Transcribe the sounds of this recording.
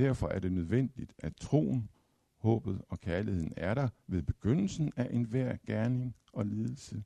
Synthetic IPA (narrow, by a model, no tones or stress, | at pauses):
dæɐfɒ̽ʔæɐd̥e̝nøð̞ˠʋen̰d̥id̥æt͡sʰʁo̝̰ːn̩ | hɔ̰̽ːb̥ð̞̩ˠɒ̽kʰæɐlihe̝ð̰ˠn̩æɐɾɑ̈ʋe̝ðˠb̥e̝ɡ̥øn̰l̩sn̩æʔe̝nʋæɐ̰ɡ̥æɐne̝ŋ | ɒ̽leːð̞ˠl̩sə